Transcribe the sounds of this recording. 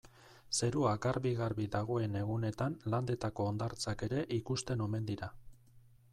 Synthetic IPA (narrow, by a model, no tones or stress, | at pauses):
se̞ɾuakaɾβiɣaɾβid̪aɣ̞o̞e̞ne̞ɣune̞t̪anland̪e̞t̪ako̞ːnd̪aɾt͡sake̞ɾe̞ʔikust̪e̞no̞me̞nd̪iɾa